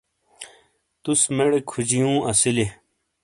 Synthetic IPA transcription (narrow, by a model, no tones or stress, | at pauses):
t̪usmeɽekʰud͡ʑijũːʔɐsile